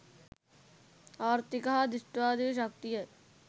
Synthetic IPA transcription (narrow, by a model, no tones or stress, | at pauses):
ɔːɾt̪ɪkaːd̪ɪʂʈʋaːd̪iʃ̬ɐk̚t̪ijɐ